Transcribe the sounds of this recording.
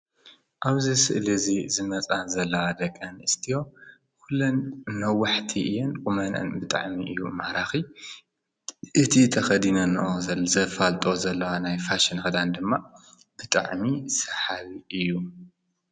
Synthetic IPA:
ʔaβzisɨ̰ʔlɨzizɨmɐt͡sʼazɐlːɐwad̪ɐkʼːɐnɨst̪ʰijo̞ | kʰulːonːɐwːaħt̪ʰiʔɨ̰jonkʼumɐnɨ̰nbɨt̪ʼa̰ʕmiʔɨ̰jːṵmaɾaxi | ʔɨt̪ʰit̪ʰɐxɐd̪inɐnɐʔozɐzɐfalt̪ʼo̞zɐlːɐwanajfaʃɪnxɐd̪and̪ɨmːa | b̥ɨt̪ʼa̰ʕmisɐ̥ħaβiʔɨjːu

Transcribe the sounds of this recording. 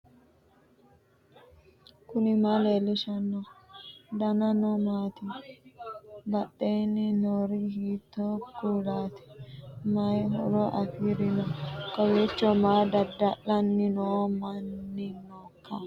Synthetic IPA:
kʊnɪmaleːlːɪʃɐnːɔ | d̪ɐnɐnɔmaːt̪ɪ | bɐɗːeːnːɪnoːɾihiːt̪ːokuːlaːt̪ɪ̥mɐjɦɔ̰lɔʔɐfiɾɪnɔkɐweːt͡ʃːɔmaːd̪ɐd̪ːɐʔɐnːɪnoːmɐnːɪnokʰːa

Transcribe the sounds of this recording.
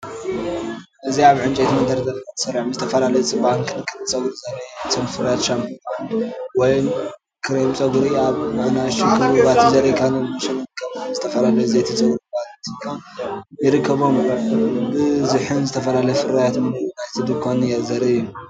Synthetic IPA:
ʔɨziaβʕɨnt͡ʃʼet̪imɐnd̪ɐɾd̪ɐɾɐd̪ʰat̪ʰsɐɾʕmzɨt̪ʰɐfɐlalɐjɛt͡sʼɨbahnkʰɨnɐɨɾt͡sʼɐɡuɾzɐɾɐjt̪ʰomfɨɾajat̪ʃampʰnwɔjn | kʰɨɾemt͡sʼɐɡɾiaβɨnajʃikʰɨβuβat̪ʰizɐɾikʰanonmɨʃɐnɨɾɨkʰːɐβunzɨt̪ʰɐfɐlalɐjzet̪ʰit͡sʼɐɡɾbalt̪ʰikʰajɪɾɨkʰːɐβo̞mbɨzɨħɨnzɨt̪ʰɐfɐlalɐjfɨɾajat̪mɐnd̪ɐɾinajt̪ʰɨd̪ɨkʰanjazɐɾɨjːu

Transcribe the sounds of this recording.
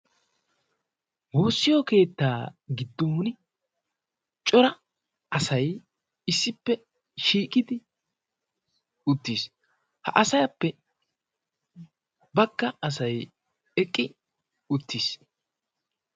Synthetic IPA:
ho̞ːsːɪjoke̞ːt̪ːaːɡɪd̪ːon | t͡ʃʼɔɾɐ | ɐsɐj | ɪsːɪpːɛ | ʃiːkʼɪd̪ɪ | ʊt̪ːiːs | hɐ̰ʔɐsɐjɐpːɛ | bɐɡːɐɐs̬ɐj | ɛkʼːɪ | ʊt̪ːis

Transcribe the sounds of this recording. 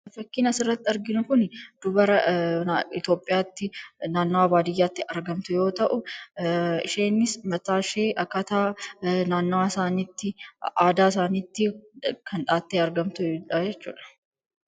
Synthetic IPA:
fɐkːiːnɐsɪrːɐt̪ːɪɐɾɡɪnʊkʊnd̪̥ʊbɐɾɐ | ɪt̪jo̞ːpʼːɪjaːt̪ːɪnaːnːwaːbaːd̪ɪjːaːt̪ːɪɐɾɡɐmt̪ʊjo̞ːt̪ɐʔʊ | ɪ̰ʃe̞ːnːɪsmɐt̪aːʃe̞ːʔɐkːat̪aːnaːnːwaːɪsaːniːt̪ːɪʔaːd̪aːɪsaːniːt̪ːɪkʰɐnᶑaːt̪ːeːɐɾɡɐmt̪ʊᶑɐd͡ʒɛt͡ʃːṵːᶑɐ̥

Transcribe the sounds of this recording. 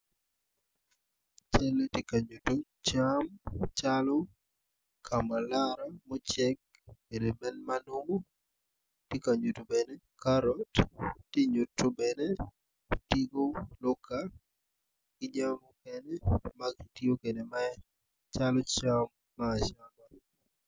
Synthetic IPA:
t͡ʃɛletikaɲuto | t͡ʃamt͡ʃalɔ | kʰamalaɾamot͡ʃɛk̚ | kedemɛnmanomo | tikaɲutobɛne | kaɾɔtːiɲutːobɛnɛ | tiɡolɔka | ɡ̥ɪɲamokɛnɛmakitiokedema | t͡ʃalɔt͡ʃamːaːʃama

